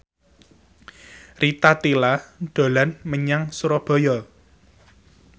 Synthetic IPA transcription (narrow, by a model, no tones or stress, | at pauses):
rit̪at̪ilaɖ̪̥o̤lanməɲaŋsuɾɔb̥ɔ̤jɔ